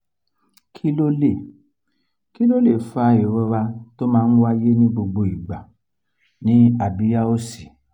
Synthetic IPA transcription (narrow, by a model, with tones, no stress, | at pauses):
kʰi˦lo˦le˦˨ | ki˦lo˦le˦˨fa˨˧i˨ɾɔ˧ɾa˧to˦mãː˦˧n̩˦wa˦je˦nĩ˦ɡ͡bo˧ɡ͡bo˧i˨ɡ͡ba˨ | nĩ˨˦a˨bi˨˦ja˦o˦˨si˨